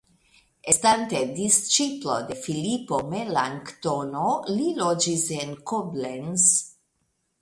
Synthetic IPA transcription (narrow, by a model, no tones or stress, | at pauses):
est̪ant̪ed̪ist͡ʃiplo̰d̪efilipomelaŋkt̪onolilod͡ʒisenkoblens